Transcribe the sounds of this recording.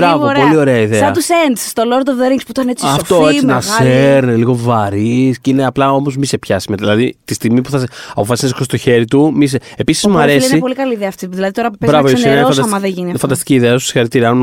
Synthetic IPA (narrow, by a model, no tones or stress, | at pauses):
bɾɐvoɾo̞lio̞ɾeɐiðeɐɐt̪usend̪sst̪oloɾd̪ovðeɾiŋɡspu̥t̪ɐnet͡siɐfoft̪oenɐseɾniliɣo̞vɐɾisceineɐplɐo̞mozmise̞pçɐsimet̪ðilɐðit̪ist̪iɣmipuθɐsɐpo̞fɐsiseskost̪oçe̞ɾit̪umis̬eepisi̥zmɐɾsesneipo̞likɐliːðeɐːft̪iðilɐðit̪oɾɐpbɐvoosineoɐnsd̪ɐɐmɐðeʝiniɐfɐnd̪ɐst̪iciːðeɐost̪o̥si̥xɐɾik̚t̪iɾiɐɐn